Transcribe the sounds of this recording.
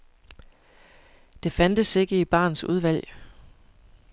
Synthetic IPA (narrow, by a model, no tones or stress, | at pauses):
d̥e̝fænd̥əse̝ɡ̥əib̥ɑ̰̈ːnsuð̞ˠʋæl̰